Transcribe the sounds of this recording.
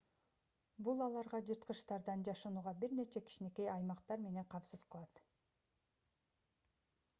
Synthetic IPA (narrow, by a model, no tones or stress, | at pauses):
bulˠɑlˠɑɾʁɑd͡ʒɯɾt̪̚qɯʃt̪ɑɾd̪ɑnd͡ʒɑʃɑnuːʁɑbiɾne̞t͡ʃe̞ki̥ʃineke̞jɑjmɑqt̪ɑɾme̞ne̞ɴqʰɑmsɯzqʰɯlˠɑt̪